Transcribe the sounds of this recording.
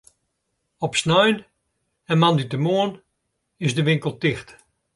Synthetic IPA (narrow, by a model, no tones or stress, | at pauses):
ɔpsnœjn | ɛnmanditəmoən | ɪzdəʋɪŋkəlˠtɪxt